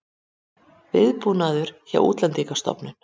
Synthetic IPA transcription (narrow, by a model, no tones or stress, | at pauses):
vɪðpuːnaðʏɾ̥ça̰ʔṵːt̪lɛnt̪ikḁst̪ɔ̰pnʏn̥